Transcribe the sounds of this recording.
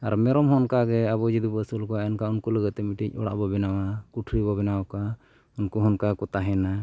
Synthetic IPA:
aɾmɛɾɔmɦɔnkaɡɛabɔd͡ʒid̪ubəsulkɔaɛnkaunkɔləɡət̪ːɛmiʈic̚ɔɽa̰ʔbɔbɛnawakuʈʰɾibɔbɛnawɔka | unkɔɦɔnkakɔt̪aɦɛna

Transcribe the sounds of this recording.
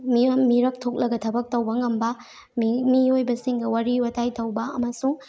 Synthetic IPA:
mimiɾɐk̚tʰok̚lɐɡɐtʰɐbɐk̚tɐwbɐŋɐmbɐ | mmiojbɐsiŋɡɐwaɾiwɐtʰajtʰɐwbɐɐmɐsuŋ

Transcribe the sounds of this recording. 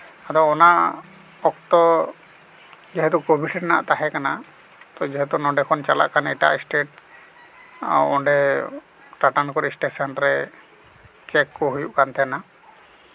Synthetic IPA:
ad̪ɔɔnaʔ | ɔk̚t̪ɔ | d͡ʒɛɦɛt̪ukobʱiʈʰɛʈna̰ʔt̪aɦɛkana | t̪ɔd͡ʒɛɦɛt̪unɔɳɖɛkʰɔnt͡ʃala̰ʔkanɛʈa̰ʔisʈeʈ | a̰wɔɳɖɛ | ʈaʈankɔɾisʈesɔnɾɛ | t͡ʃɛkːɔɦujuʔkant̪ʰɛna

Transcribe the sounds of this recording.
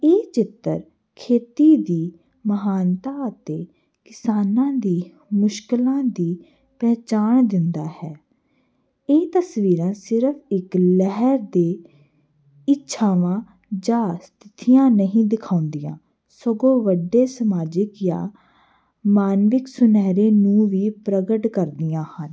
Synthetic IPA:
eːt͡ʃɪt̪ːə̰ɾ | kʰeːt̪iːd̪iː | məɦaːnt̪aːət̪eː | kɪsaːnãːd̪iː | mʊʃkɪlãːd̪iː | pɛːt͡ʃaːɳd̪ɪnd̪aːhɛː | eːt̪əsʋiːɾãːsɪɾpʰɪklɛɦəɾd̪eː | ɪtːʃʰaːʋãː | d͡ʒaːst̪ʰɪt̪ijãːnəɦĩːd̪ɪkʰaːʊnd̪ijã̰ː | səɡõːʋəɖːeːsəmaːd͡ʒɪkjã̰ː | maːnʋɪksʊnɛːɾeːnũːʋiːpɾəɡəʈkəɾd̪ijãːhən

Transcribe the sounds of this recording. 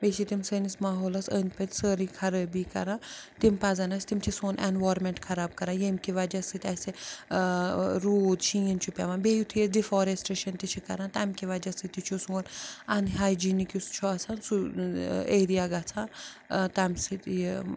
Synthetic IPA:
beʃit̪imsəːnismaːɦoːlɐsəːnpet̪ʲsəːɾikʰɐɾɐbikɐ̰ɾãt̪impazɐnɐsʲt̪imt͡ʃʰisonʔḛnʋoːɾmeɳʈkʰɐɾaːb̚kɐɾaːjemkiʋad͡ʒɐsɨt̪ʲɐse | ɾuːd̪ʃĩint͡ʃʰupʲɛʋaːnbejut̪ʰiesdifɔːɾesʈeʃɐnt̪it͡ʃʰikɐ̰ɾãːnt̪amkiʋɐd͡ʒɐsɨt̪it͡ʃʰusuɡonɐnɦaːjd͡ʒiːnikust͡ʃʰuɐsʰaːnsu | eːɾijaɡat͡sʰaːnt̪amsit̪

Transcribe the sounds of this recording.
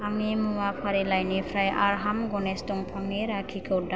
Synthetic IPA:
amimuwapʰaɾelajnipʰɾajʔaɾɦamɡɔnestɔŋpʰɔŋneɾakʰikʰoda

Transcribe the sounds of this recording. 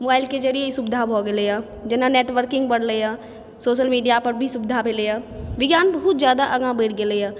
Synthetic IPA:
moːbaːɪlked͡ʒɐɾijesʊbɪd̪ʱabʱoɡeleja | d͡ʒɪnaneːʈʋəɾkɪ̃ŋɡbɐɽleja | soːʃəlmiːɖijapɐɾbʱisʊbd̪ʱabʱelejaːʋɪɡjaːnbɐɦʊt̪zjaːd̪aʔɐɡãbeːɽɡelejaː

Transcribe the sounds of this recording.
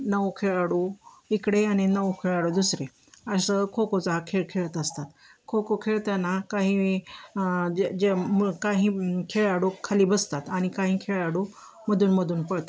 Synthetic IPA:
nəʋkʰeɭaɽu | ikɽeañinəʋkʰeɭaɽod̪usɾe | əsəkʰokot͡saɦakʰeɭkʰeɭət̪əst̪at̪ | kʰokokʰeɭt̪janakaɦĩ | d͡ʑemkaɦiːkʰeɭaɽukʰːaliːbəst̪at̪aɽ̃ikaɦĩːkʰeɭaɽu | məd̪ʱuːnməd̪ʱuːnpəɽt̪a

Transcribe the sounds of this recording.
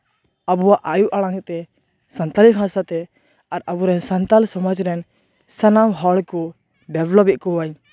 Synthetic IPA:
abuwaʔajuʔaɽaŋt̪ɛ | sant̪alikɦãsat̪ɛ | aɾabuɾɛnsant̪alsɔmɔd͡ʒɾɛn | sanamɦɔɽkɔ | ɖɛblɔpɛʔ̚kɔwaɲ

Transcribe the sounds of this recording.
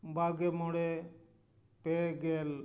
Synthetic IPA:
baːɡemoɽe | peːɡeːl

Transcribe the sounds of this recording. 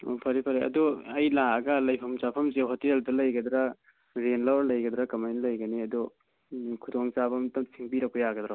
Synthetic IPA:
opʰɐɾipʰɐɾeɐ̰duɐjlaɐɡɐlɐjpʰɐmt͡ʃapʰɐmseɦoteldɐlɐjɡɐdɾa | ɾenlawɾlɐjɡɐd̪ɾɐkɐmajnlɐjɡɐniɐdɔ | kʰudoŋt͡ʃapʰɐmtɐsiŋpiɾɐk̚pɐjaɡɐd̪ɾa

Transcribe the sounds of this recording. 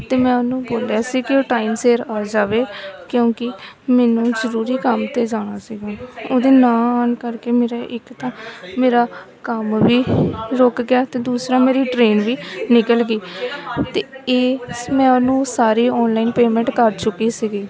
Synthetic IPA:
t̪eːmɛ̃ːʊnũːboːljaːsiːkɪoːʈaːimseːɾaːd͡ʒaːʋeːkjõːkɪ | mɛːnũːzəɾuːɾiːkəmt̪eːd͡ʒaːɽ̃aːsiːɡaːoːd̪eːnãːaːnkəɾkeːmeːɾaːʔɪkt̪ãːmeːɾaː | kəmʋiːɾoːkɡɪjaːt̪eːd̪uːsɾaːmeːɾiːʈɾeːnʋiːnɪkəlɡiːt̪eːeːmɛ̃ːʊnũːsaːɾiːɔːnlaːiːnpeːmɛ̃ɳʈkəɾt͡ʃʊkːiːsiːɡiː

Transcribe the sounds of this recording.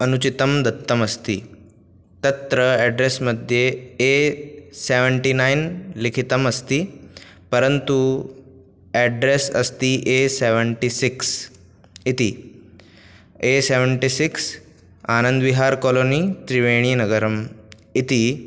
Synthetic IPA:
ənut͡ɕit̪əmd̪ɐt̪ːəməst̪ḭː | t̪ət̪ɾəɛɖɾesməd̪ʱjeeseʋəɳʈinainlikʰit̪əməst̪iːpəɾənt̪u | ɛɖɾesə̰st̪iːʔeseʋəɳʈisiks | it̪iː | eseʋəɳʈisiks | anənd̪ʋiɦaɾkɔloniːt̪ɾiʋeɽ̃iːnəɡəɾəm | it̪iː

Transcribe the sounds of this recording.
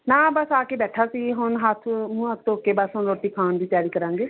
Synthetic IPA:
nãːbəsaːkeːbɛːʈʰaːsiːɦʊnɦət̪ʰmũːɦət̪̚ʰt̪oʊkeːbəsɦʊnot̪iːkʰaːnd̪iːpjaːɾiːkəɾãːŋɡeː

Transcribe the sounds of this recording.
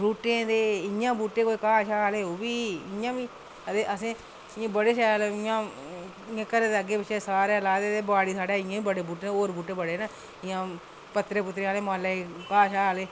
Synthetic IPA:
ɾuːʈẽːd̪eːɪjãːbuːʈeːkoːiːkaːʃaːleːoːʋiːɪãːʋiː | d̪eːʔəsẽː | ɪãːbəɽeːʃaːleɪãː | ɪãːkəɾeːd̪eəɡeːbɪt͡ʃːeːsaːɾeːlaːd̪eːd̪eːbaːɽiːsaːɽeːɪjãːiːbəɽeːbuːʈeːnoːɾbuːʈeːbəɽeːnaː | ɪjãː | pət̪ːɾeːpʊt̪ːɾeːaːleːmãːleːkaːʃaːleː

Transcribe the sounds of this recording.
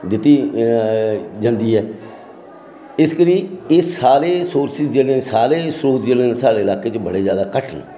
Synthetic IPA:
d̪ɪt̪ːiː | d͡ʒə̃nd̪iːɦɛː | ɪskəɾiːɪsaːɾeːsoːɾsɪzd͡ʒeːlẽːsaːɾeːsɾoːt̪d͡ʒeːlẽːnsaːɽeːlaːkeːt͡ʃbəɽeːzjaːd̪aːkəʈʰən

